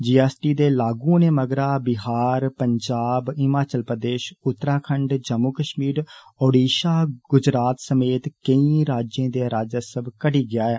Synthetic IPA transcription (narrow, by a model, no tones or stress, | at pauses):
d͡ʒiːɛːsʈiːd̪eːlaːɡũːneːməɡɾaːbɪɦaːɾpəɲd͡ʒaːbɪmaːt͡ʃəlpɾəd̪eːʃʊt̪ːɾaːkʰəɳɖd͡ʒəmuːkəʃmiːɾ | oːɖiːʃaːɡʊd͡ʒɾaːt̪səmeːt̪kəĩːɾaːd͡ʒẽːd̪eːɾaːd͡ʒəsəbkəɽiːɡɪjaːɛː